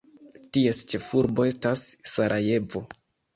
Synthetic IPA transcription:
tie̞st͡ʃe̞fuɾbo̞e̞stasːaɾʔaje̞vo̞

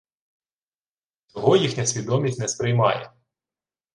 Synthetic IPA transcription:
t̪ɔɦɔjixnʲɐsʲʋʲid̪ɔmʲisʲtʲnɛspɾɪjmɑ̰jɛ̰

